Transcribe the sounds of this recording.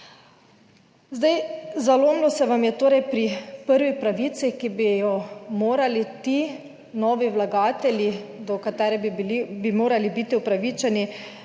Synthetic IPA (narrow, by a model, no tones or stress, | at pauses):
zd̪ajzaloːmlɔsɛʋamjɛt̪oːɾɛjpɾipəɾʋixpɾaʋit̪sixkibijɔmoːɾalit̪i | nɔːʋiwlaɡaːt̪ɛlʲjid̪ɔkat̪ɛːɾɛbibilibimoːɾalibiːt̪iɔpɾaʋit͡ʃɛni